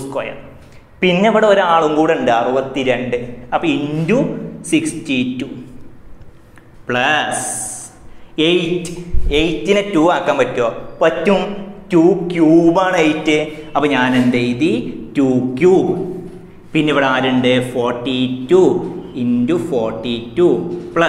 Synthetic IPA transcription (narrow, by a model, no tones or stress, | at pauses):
uskoːjɐ̰n | pinːeʋiɽeoɾaːɭuŋɡuːɽeɳɖɨɐrubɐt̪ːiɾeɳɖɨɐpːoindusikstitːu | pɭɐs | ejtːɨ̥ejtːinɨtuːaːkːaːmpɐtːoːpɐtːumtuːkjuːbaːɳejtːɨɐpːoɲaːnend̪eiðituːkʲjuː | pinːeiʋiɽeaːɾeɳɖɨfoːrʈːituindufoːrʈːitːupɭɐ